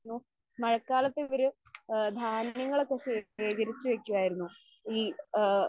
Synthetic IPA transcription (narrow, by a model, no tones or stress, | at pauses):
nːu | mɐɻɐkːaːlɐt̪ːeʋɐɾu | d̪ʱaːnjɐŋːɐɭekːesiʋeːɡɐɾit͡ɕːuʋe̞kʲːuʋaːjiɾunːu | iː